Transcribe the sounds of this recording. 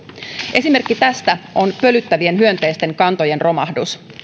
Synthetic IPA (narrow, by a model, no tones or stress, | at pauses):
ʔe̞simerkːit̪æst̪æʔo̞npø̞lyt̪ːæʋie̞nɦyønt̪e̞jst̪e̞ŋkɑnt̪o̞je̞nro̞mɑ̰hdus